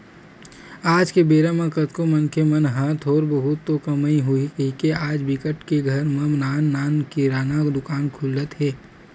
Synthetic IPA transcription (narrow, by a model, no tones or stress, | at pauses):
aːd͡ʒkebeːɾamãkət̪komɐnkʰemɐnɦaːt̪ʰɔːɾbəɦʊt̪ːokɐmaiɦʊikeaːd͡ʒbɪkəʈkeɡʱɐɾmɐmnaːnːaːnkiɾaːnad̪ʊkaːnkʰʊlət̪ɦɛː